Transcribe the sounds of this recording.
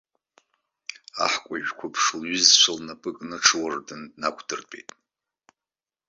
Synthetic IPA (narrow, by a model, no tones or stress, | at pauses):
a̰ħkʷʼaʒᶣkʷʰapʰʂlɥizt͡ʃʷʰalnapʼɨkʼnɨʈ͡ʂʰɨwardɨndnakʷʰʼdɨrpʼejtʼ